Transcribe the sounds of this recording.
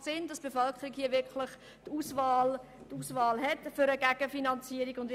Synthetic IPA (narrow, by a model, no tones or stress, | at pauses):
sɪndɑsb̥efœlkχəɾikhiːəʋɪɾkʰlɪχ | tuːsvɑːl | tuːsvɑːlɦɛtfʏɾəɡæɡ̥əfinɑnt͡siːəɾiɡʊndɪ